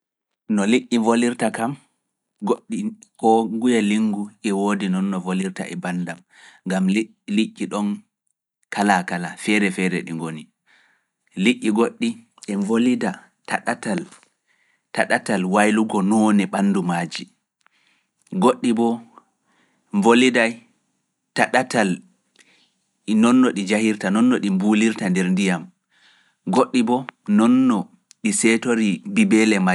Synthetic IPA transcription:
nɔliʔːivoliɾtakam | ɡoɗːikɔŋɡujaliŋɡuʔɛwoːdinɔnːɔvoliɾta̰ʔɛbandam | ŋɡam | liʔːiɗɔn | kalakalafɛɾɛfɛɾɛ̰ɗiŋɡoni | liʔːiɡoɗːi | ʔɛvolida | taɗatal | taɗatalwajluɡɔnɔːnɛɓanːdumaːd͡ʒi | ɡoɗːibɔ | ɱvolidaj | taɗatal | nɔnːɔɗid͡ʒahiɾtanɔnːɔɗimbuliɾtandɛɾndijam | ɡoɗːibɔnɔnːɔ | ɗisɛtoɾibibɛlɛma

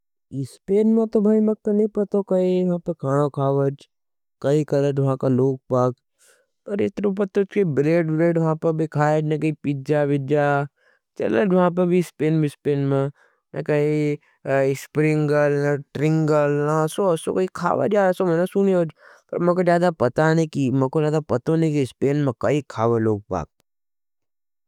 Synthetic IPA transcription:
ɪspeːnmẽt̪obʱaːimek̚t̪onɐɦĩpɐt̪okɐijɐɦãpɐkʰaːɽ̃okʰaːʋəd͡ʒ | kɐikɐləd͡ʒʋɐɦãkaloːɡ̚paːɡ | pɐɾɪt̪ɾop̬ɐt̪ot͡ʃkɐibɾeːɖbɾeːɖʋɐɦãpɐɾbʱikʰaːed͡ʒnɐkɐipid͡ʒaʋɪd͡ʒa | t͡ʃɐ̰ləd͡ʒʋɐɦãp̬ɐɾbʱispeːnbʱispeːnmẽ | nɛ̰kɐi | spɾɪ̃ŋɡəlnaʈɾɪ̃ŋɡəlnasoɐso̰kɐikʰa̰ːʋa̰d͡ʒaːsomɛnasuneoːd͡ʒpɐ̰ɾmɛːkod͡ʒjaːd̪apɐt̪anekimɛ̃kod͡ʒjaːd̪apɐt̪onekispeːnmẽkɐikʰaːʋeloːɡ̚pa̰ːk̚

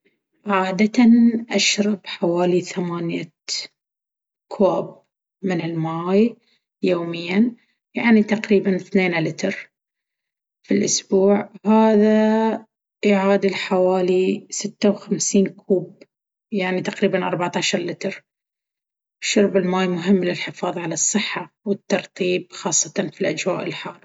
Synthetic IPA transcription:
ʕaːd̪at̪anʔaʃɾˤɑbħawaːliθamaːnja | kʰwaːb̚ | mɪnɪlmaaːj | joːmɪjːan | jaʕnit̪aqɾiːbanθneːnalɪt̪ɾ | filʔʊsbuːʕhaːða | ʔɪʕaːd̪ɪlħawaːlisɪt̪ːawxamsiːnkʰuːb | jaʕnit̪aqɾiːbanʔɑ̰ɾˤbaʕt̪aːʃɑɾˤlɪt̪ɾ | ʃʊɾˤbɪlmaːjmʊɦɪmːlɪlħɪfɑːðˤʕalɑsˤːɨħːa | wɪt̪ːɑɾˤt̪ˤiːb̚xɑːsˤːɑt̪ɑnfilʔad͡ʒwa̰ːʔɪlħaːlˤ

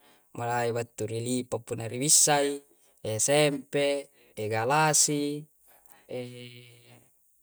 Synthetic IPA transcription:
malaiwat̪ːuɾilipapːunːaɾiwisːai | esɛmpe | eɡalasi | e

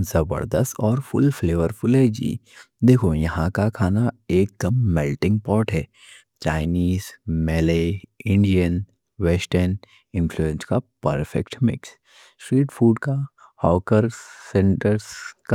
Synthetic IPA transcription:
zɐbə̰ɾd̪əst̪ɔːɾfʊlfleːʋəɾfʊlɦɛd͡ʒḭː | d̪eːkʰojɐɦãkakʰaːnaeːk̚d̪̥ɐmːɛlʈɪ̃ŋɡ̚pɔːɾʈɦɛː | t͡ʃaːɪniːzmɛːleɪ̃ɳɖijən | ʋɛːsʈəɾn | ɪ̃nfluẽnskapɐ̰ɾfɛ̰kʈmɪ̰ks | sʈɾiːʈfʰuːɖkahaːkəɾsɛ̃ɳʈəɾzk

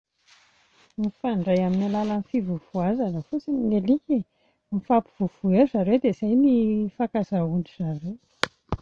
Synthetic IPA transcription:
mifaɳɖ͡ʐajaminalalanifivuv̥uazanəfut͡sinnelike | mifapiv̥uv̥uezaɾed̪ezajnifakazaunɖ͡ʐiz̥aɾe

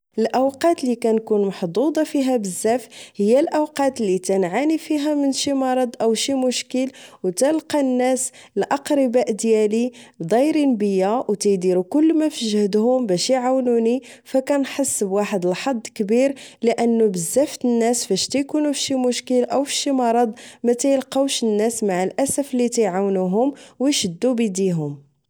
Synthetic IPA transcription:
ʔəlʔəwqɑt̪likænkunmɑħd̪ˤud̪ˤɑfiɦæbəzːæfhəjːælʔəwqɑt̪lit̪ænʕanifiɦæmənʃimɑɾˤɑd̪ˤʔəwʃimʊʃkəlwt̪ælqɑnːæs | lʔɑqɾəbæʔd̪jælibd̪ˤɑjɾinbəjːæwt̪æjd̪iɾukʊlːmæfəʒəhd̪hʊmbæʃiʕawnuni | fækænħəsːbwaħəd̪əlħɑd̪ˤːkbiɾləʔənːubəzːæft̪ənːæsfæʃt̪æjkunufʃimʊʃkəlʔəwfʃimɑɾˤɑd̪ˤmæt̪æjəlqɑwʃənːæsmaʕəlʔæsəflːit̪æjʕawnuɦʊmwəjʃəd̪ːubid̪iɦʊm

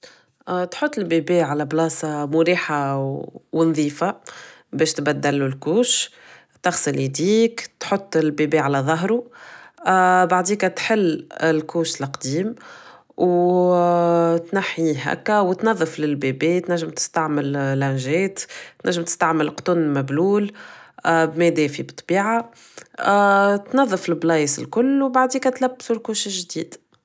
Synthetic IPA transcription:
t̪ħot̪ˤːɪlbebɛːʕalæblɑːsɑmʊɾiːħa | wɪnðˤiːfabɛːʃt̪bæd̪ːælulkuːʃ | t̪ɑxsəlid̪iːkt̪ħot̪ˤːɪlbebɛːʕalæðˤɑɦɾu | baʕd̪iːkæt̪ħɪlːɪlkuːʃlqd̪iːm | w | t̪naħiɦæ̰kːæwt̪nɑðˤːəflɪlbebɛːt̪næʒːəmt̪ɪ̥st̪aʕmɪllænʒɛːt̪t̪næʒːɪmt̪ɪ̥st̪aʕməlqt̪ʊnmæbluːl | bmɛd̪ɛːfibɨt̪ˤːb̥iːʕa | t̪nɑðˤːəfɪlblɑːjsɪ̰lkʊlːwbaʕd̪iːkæt̪læbːsulkuːʃɪlʒd̪iːd̪̥

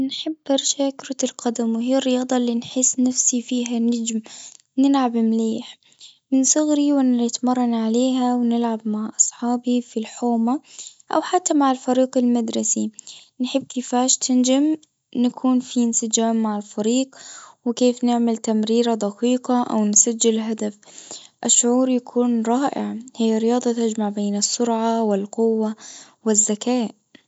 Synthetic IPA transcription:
nħɪbːʔɑɾˤʃaːkɾɑlqɑd̪amwɦiːrːɪjɑːd̪ˤɑlːinħɪsnafsifiːɦanɪd͡ʒm | nɪlʕabɪmleːħ | mɪnsˤʊɣɾiwɪnɪt̪mɑrˤːɑnʕaleːɦawnɪlʕabmaʕʔɑsˤħɑːbifilħoːmaʔa̰wħat̪ːamaʕɪlfɑɾiːqɪlmad̪ɾˤɑsi | nħɪbːkiːfaːʃt̪ʰɪnd͡ʒam | nakʰuːnfiɪnsɪd͡ʒaːmːaʕɪlfɑɾiːqwɪkeːfnɪʕmɪlt̪amɾiːɾad̪ˤɑqiːqaʔa̰wnsad͡ʒːɪlɦad̪afʔɪʃːʊʕuːɾjakʰuːnɾˤɑːʔɪ̰ʕhɪjːaɾɪjɑːd̪ˤɑt̪ad͡ʒmaʕbeːnɨsːʊɾʕɑwɪlqʊwːa | wɪzːakaːʔ

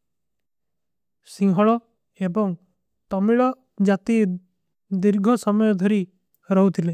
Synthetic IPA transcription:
sĩɦɔɭɔ | ebɔŋ | t̪ɔmiɭɔ | d͡ʒat̪i | d̪iɾɡʱɔsɔmɔjɔd̪ʱɔɾi | ɾɔɦwt̪ʰile

